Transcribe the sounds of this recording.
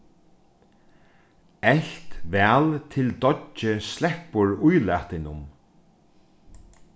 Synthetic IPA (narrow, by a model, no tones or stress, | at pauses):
ɛɬt̪vɛːlt̪ʰɪld̪ɔt͡ʃːɪslɛhpːʊɹujla̰ːht̪ɪnʊm